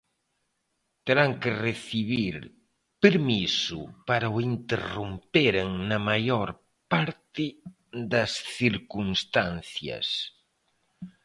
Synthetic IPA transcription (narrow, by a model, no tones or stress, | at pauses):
t̪eɾaŋkereθiβiɾ | peɾmisʊ̰paɾaoint̪erompeɾeŋnɐmajoɾ | paɾt̪ɪ | ðɐsθiɾkunst̪anθjɐ̰s